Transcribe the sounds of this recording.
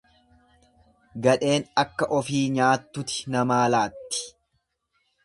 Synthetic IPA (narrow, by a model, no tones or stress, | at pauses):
ɡɐᶑe̞ːnɐkːɐʔɔfiːɲaːt̪ːʊt̪ɪ̥nɐmaːlaːt̪ːɪ̥